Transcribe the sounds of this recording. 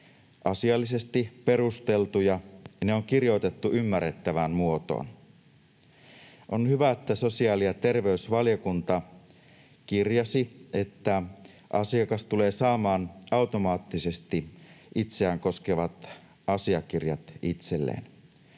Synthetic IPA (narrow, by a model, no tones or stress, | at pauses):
ʔɑsiɑlːisest̪ipe̞rust̪e̞lt̪ujɑneoŋkirjo̞it̪e̞t̪ːuymːærːet̪ːæʋænmuo̞t̪o̰ːn | ʔo̞nhyʋæet̪ːæso̞siɑːlijɑt̪e̞rʋe̞ysʋɑljokunt̪ɑ | kirjɑsie̞t̪ːæ | ʔɑsiɑkɑst̪ule̞ːsɑːmɑːnɑwt̪o̞mɑːt̪ːise̞st̪iʔit̪seæːŋko̞skeʋɑt̪ | ɑsiɑk̟irjɑt̪it̪se̞lːḛːn